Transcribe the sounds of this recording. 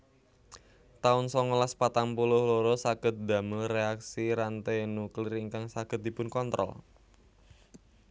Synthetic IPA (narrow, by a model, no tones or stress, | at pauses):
t̪aʊnsɔŋolaspat̪ampulʊhloɾosaɡ̥ə̤t̪̚d̪a̤məlreaksiɾant̪enuklɪriŋkaŋsaɡ̥ət̪̚d̥̪i̤pʊnkɔnt̪ɾɔ̰l